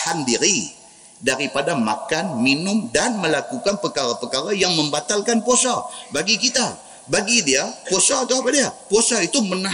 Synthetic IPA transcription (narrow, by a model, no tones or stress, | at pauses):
handiɾi | daɾipadamakanminʊmdanməlakukanpəkaɾapəkaɾajaŋmə̃mbat̪alkanposabaɡikit̪a | baɡidiaposaːt̪awɦapadiaposait̪uməna